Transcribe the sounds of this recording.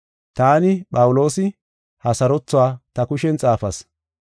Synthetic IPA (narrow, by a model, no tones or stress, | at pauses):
t̪aːnɪɓʼɐwʊlo̞ːsɪ | hɐsɐɾɔt͡sːʊaːt̪ɐkʊʃɛnt͡sʼaːfɐs